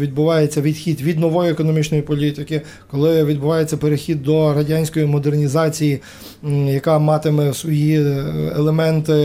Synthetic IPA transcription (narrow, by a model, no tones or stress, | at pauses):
ʋʲid̪̚bʊʋɑjet͡sʲːɐʋʲid̪xʲid̪ʋʲid̪nɔʋɔjʊekɔnɔmʲit͡ʃnɔjipɔlʲit̪ɪkɪ | kɔlˠɪʋʲid̪̚bʊʋɑjet͡sʲːɐpeɾexʲid̪ːɔɾɐdʲɑnʲsʲkɔjimɔd̪ernʲizɑt͡sʲiji | jɐkɑmɑt̪ɪmɛsʋɔjiḛlˠemɛnt̪ɪ